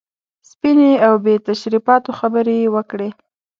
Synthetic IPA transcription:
spineawbet̪aʃɾipɑt̪oxabəɾejewəkɽe

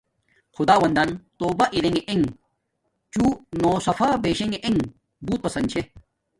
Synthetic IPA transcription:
xʊd̪aːʋɐnd̪ɐnt̪oːbaʔiɾeŋeʔeŋ | t͡ɕuːnoːsɐfʰaːbeːʃẽŋeʔeŋ | buːt̪̚pɐsɐ̃nd̪t͡ɕʰe

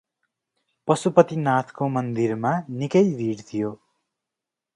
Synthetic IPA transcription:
pʌsupʌt̪inat̪ʰkomʌnd̪irmanikʌjb̪ʱiɽt̪ʰijo

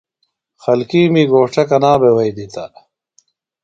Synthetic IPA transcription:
xɐlkiːmiːɡoːʈ͡ʂɐkɐnaːbewɐjd̪it̪ɐ

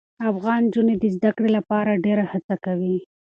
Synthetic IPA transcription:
afɣɑnd͡ʒuned̪əzd̪akɽelapɑɾaɖeɾahat͡sakawi

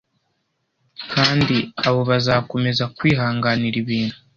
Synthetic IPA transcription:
kʰaːndiaβo̞βazako̞me̞zakwiːɦaːŋɡaniɾiβiːnu̥

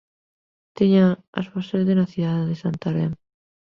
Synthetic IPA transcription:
t̪iɲaa̰sβosezðenaθiðaðeðesant̪aɾem

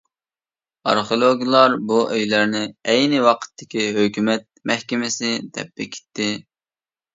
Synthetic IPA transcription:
ɑ̰ɾχiolˠoɡʲilˠɑɾbuʔøjlæɾnɪɛjnɪwɑqʰə̥t̪ʰːɪ̥kʲʰiɦøkʲymɛt̪̚mɛhkʲɪmɪsɪd̪ɛ̰p̚ːɛkʲʰe̥t̪ʰːɪ

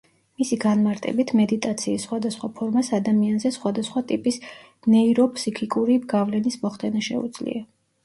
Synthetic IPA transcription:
misiɡanmaɾt̪ʼɛ̰bit̪ʰmɛd̪it̪ʼat̪sʰiːsːχwad̪asχwapʰɔɾmasad̪amianzɛsχwad̪asχwat̪ʼipʼis | nɛiɾɔpʰsikʰikʼuɾiɡ̥avlɛnismɔχd̪ɛnaʃɛ̰ṵd̪z̥lḭa

